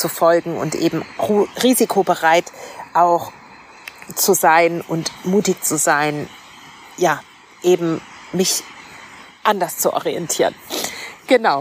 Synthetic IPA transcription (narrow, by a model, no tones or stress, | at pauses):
t͡sufɔlɡŋ̩ʊ̰ntʔḛːbm̩ːʁiːzikʰobəʁaɪtʔaʊx | t͡suzaɪnʔʊntmuːtɪkt͡suzaɪn | jaː | ʔeːbm̩mɪç | ʔandɐst͡suʔɔ̰ʁiɛntʰiːʁənɡ̥ənaʊ